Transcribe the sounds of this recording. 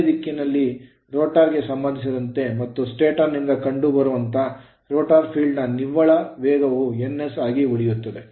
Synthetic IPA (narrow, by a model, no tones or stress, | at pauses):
d̪ikːinɐlːi | ɾoːʈaːɾɡe̞sɐmbɐnd̪ʱisiɾɐnt̪e̞mɐt̪ːusʈeːʈɐnind̪ɐkɐɳɖubɐɾuʋɐnt̪ʰɐ | ɾoːʈaːɾpʰiːɭɖnɐniʋɐɭɐʋɛːɡɐʋuenːesaːɡiʋuɭijut̪ːɐd̪e̞